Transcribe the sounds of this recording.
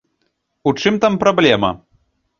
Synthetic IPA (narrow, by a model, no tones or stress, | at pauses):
ut͡ʂɨmt̪ampɾɐblʲɛmɐ̰